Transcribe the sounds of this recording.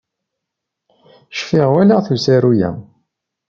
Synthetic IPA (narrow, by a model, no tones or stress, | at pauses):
ʃfiʁwælaθusæɾujæ̰m